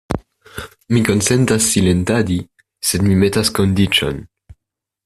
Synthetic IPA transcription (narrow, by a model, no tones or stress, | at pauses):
mikonsent̪asːilent̪ad̪i | sed̪mimet̪askond̪it͡ʃo̰n